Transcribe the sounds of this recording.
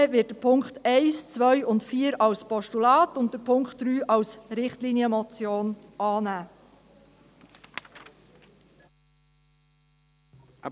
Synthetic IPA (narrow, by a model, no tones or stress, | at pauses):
vɪt̚dəpʰʊŋktɛɪst͡svʋœʏʊntfiːəɾɑwspɔʃtulɑːtʊntd̥əɾpʰʊŋkχt̚d̥ɾyːʔɑwsɾɪχtliːniəmɔt͡sjoːnʔɑːnæː